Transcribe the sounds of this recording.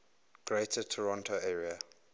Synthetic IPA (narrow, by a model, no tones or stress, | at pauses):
ɡ̥ɹetʰətʰɔɹɔ̃ntʰoɛːɹia